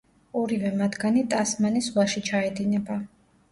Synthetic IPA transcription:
ɔɾivɛmad̪ɡanit̪ʼasmanisvaʃit͡ʃʰaɛd̪inɛba

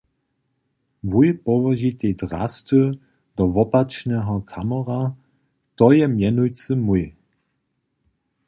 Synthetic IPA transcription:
vujpɔvɔʒit̪edʁa̰st̪ə | d̪ɔvɔpat͡ʃnɛɦɔkʰamɔʁa | t̪ɔjɛmjɛnujt͡səmuj

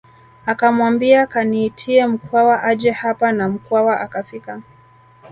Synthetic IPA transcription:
akamwambiakaniːtʰiɛm̩kwawaʔaʄɛhapanam̩kwawaʔakafika

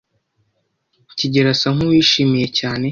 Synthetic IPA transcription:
ciɟe̞ɾasaŋ̥uwiːʃiːmije̞caːne̞

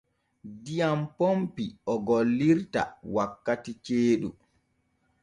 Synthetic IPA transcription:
dijampompiɔɡolːiɾta̰wakːatit͡ʃeːɗu

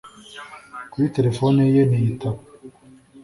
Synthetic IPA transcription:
kujiteɾefonejenejitaβ

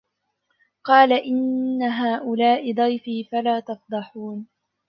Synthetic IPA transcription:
qɑːlaʔɪnːaɦaːʔʊlaːʔɪd̪ˤɑjfiːfalaːt̪ɑfd̪ˤɑħuːn

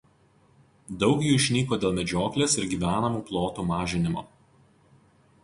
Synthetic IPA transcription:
d̪ɒʊkjuːɪʃʲnʲiːkoːd̪ʲeːlˠmʲɛd͡ʒʲoːklʲeːsɪɾɡʲiːʋʲæːnɐmuːplˠoːt̪uːmɑːʒʲɪnʲɪmo̰ː

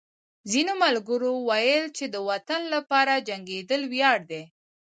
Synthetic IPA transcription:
zinomalɡəɾowajəlt͡ʃed̪əwat̪anlapɑɾad͡ʒaŋɡed̪əlwjɑɽd̪e

